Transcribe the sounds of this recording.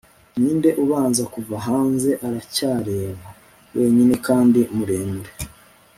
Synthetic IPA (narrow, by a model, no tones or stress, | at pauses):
ɲiːnde̞ʔuβaːnzakuvaɦaːnze̞ʔaɾacaːɾe̞ːβa | we̞ːɲine̞kaːndimuɾe̞ːmuɾe